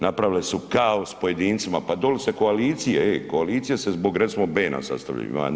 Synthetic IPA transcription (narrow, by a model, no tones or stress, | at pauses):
napɾaʋilesukaospo̞je̞d̪iːnt̪simapad̪oliseko̞aliːt̪sijeekoaliːt̪sijesezbo̞ɡɾet̪simobeːna̰sa̰st̪aʋʎa̰jṵḭma̰